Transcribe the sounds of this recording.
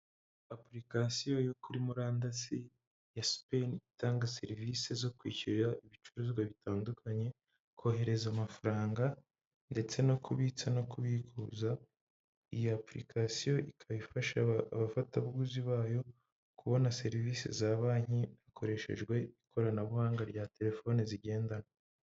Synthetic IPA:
apɾikasijo̞jokuɾimuɾaːndasi | jaspenitaːŋɡase̞ɾiviːsezo̞kwiːciɾaiβit͡ʃuɾuzɡwaβitaːndukʰaɲe̞ | ko̞ːɦe̞ɾe̞zamafaɾaːŋɡa | nde̞t͡se̞no̞kʰuβit͡sano̞kuβiɡuːza | ijoapɾḭkasijo̞ʔikʰaβifaʃaaβafataβɡuziβaːjo̞ | kʰuβo̞nase̞ɾiviːsḛzaːβaːɲiakʰo̞ɾe̞ʃe̞̰ʒɡwe̞ikʰo̞ɾanaβuhaːŋɡaɾɟate̞ɾe̞fo̞ːniziɟe̞ːndana

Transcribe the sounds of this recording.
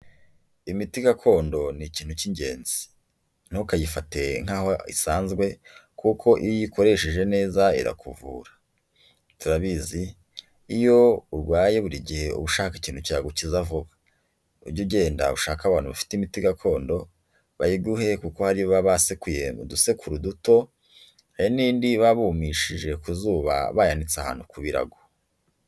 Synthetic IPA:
imitiɡakʰo̞ːndo̞niciːn̥uciɲɟe̞ːnzi̥ | n̥okajifate̞ŋ̥aːhoḭsaːnzɡwe̞kʰukʰo̞ʔijikʰo̞ɾe̞ʃeʒe̞ne̞ːzaḭɾa̰kuvṵːɾa | tuɾaβizi | ijo̞uɾɡwaːje̞βuɾiɟihe̞ṵβuʃaːki̥ciːn̥huciɾaɡucizavuβḁ | uɾɟuɟe̞ːnda̰βuʃaːkaβaːnhuβafi̥timitiɡakʰo̞ːndo̞ | βajiɡuhe̞kuko̞haɾijoβaβasekujemuduse̞kʰuɾuduto̞ | hajiniːndiβaβuːmiʃiʒe̞kuzuːβa̰βajanit͡saha̰ːnhukuβiɾa̰ɡo̥

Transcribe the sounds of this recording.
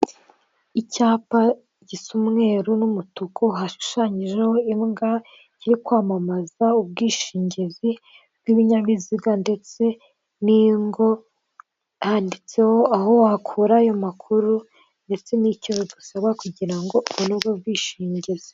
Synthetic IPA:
icaːpa | ɟisumŋe̞ːɾunumutukohaʃu̥ʃaɲiʒe̞ho̞imɡa | ciɾikwaːmamazaub̚ɡiːʃiːɲɟezi | b̚ɡiβiɲaβiziɡande̞t͡se̞ | niŋɡo̞ | haːndit͡se̞ho̞aɦo̞wakʰuːɾaːjo̞makʰuɾu | nde̞t͡se̞nicozobusaβɡakuɟiɾaŋɡo̞ʔuβonubɡob̚ɡiːʃiːɲɟezi

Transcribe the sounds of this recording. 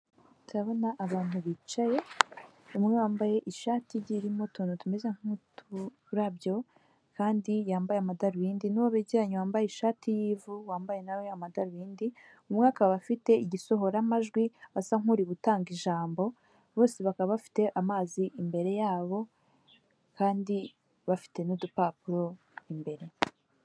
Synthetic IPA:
tuɾaβo̞naʔːβaːn̥huβit͡ʃaje̞ | umŋewaːmbaje̞ʔiʃaːtʰiɾɟiɾimo̞tunotume̞ze̞ŋ̥hutu | ɾaβjo̞ | kaːndijaːmbajeamadaɾuβiːndinuwoβeɟiɾaɲewaːmbajeiʃaːtijiːvuwaːmbaje̞naweamadaɾuwiːndi | umŋaːkaβafite̞iɟiso̞ɦo̞ɾamaʒɡwiβasaŋuɾiβutaːŋɡiʒaːmbo̞ | βo̞ːseβakaβaβafi̥te̞ʔamaːziʔːmbe̞ɾe̞jaːβo̞ | kaːndi | βafi̥te̞nudupaːpuɾo̞ | imbe̞ɾe̞

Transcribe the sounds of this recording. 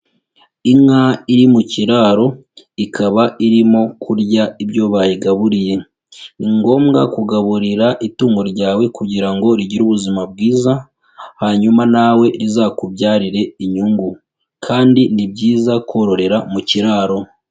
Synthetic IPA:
iŋaiɾimuciɾaːɾo̞ | ikʰaβaiɾimo̞kʰuɾɟaiβjo̞βajiɡaβuɾije̞ | iŋɡo̞ːmɡa̰kuɡaβuɾiɾaʔituːŋɡo̞ɾɟaːwe̞kuɟiɾaŋɡo̞ɾiɟiɾuːβuzimab̚ɡiːza | haɲumanawe̞ɾizakubɟaːɾiɾe̞iɲuŋɡu | kʰaːndinibɟiːzako̞ɾo̞ɾe̞ɾamuciɾaːɾo̞

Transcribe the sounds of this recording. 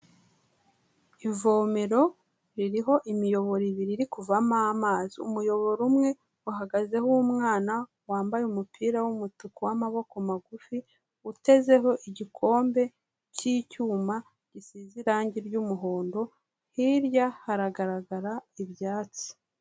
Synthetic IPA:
ivo̞ːme̞ɾo̞ | ɾiɾiɦo̞ʔimijo̞βo̞ɾiβiɾiɾikuvamamaːziṵmujo̞βo̞ɾumŋe̞ | waɦaɡaze̞hoːmŋaːna | waːmbajeumupʰiːɾawumutukuwamaβo̞komaɡufi | ute̞ze̞ɦo̞ʔiɟikʰo̞ːmbe̞ | ciːcuːma | ɟ̥isiziɾaːɲɟiɾɟumuɦo̞ːndo̞ | hiɾjahaɾaɡaɾaɡaɾaiβjaːt͡si̥

